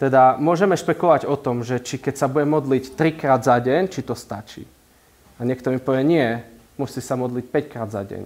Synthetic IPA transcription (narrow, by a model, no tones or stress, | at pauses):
t̪ɛd̪amʊɔʒɛmɛʃpɛkɔʋaɟɔt̪ɔmʒɛt͡ʃikɛcsabuɟɛmɔd̪lict̪ɾikɾaːd̪zaɟɛɲt͡ʃit̪ɔst̪at͡ʃḭː | aɲɪɛk̚t̪ɔmipɔʋɪɛɲɪɛ | musisamɔd̪lic̚pɛckɾaːd̪za̰ɟɛ̰ɲ